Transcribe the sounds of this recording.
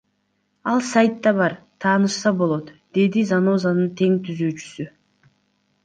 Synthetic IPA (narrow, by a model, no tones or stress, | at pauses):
ɑlˠsajt̪ːɑβɑɾ | t̪ʰɑːnɯʃsɑbo̞lˠo̞t̪d̪̥e̞d̪izano̞zanɯnt̪ʰe̞ŋt̪ʰyzyːt͡ʃy̥sy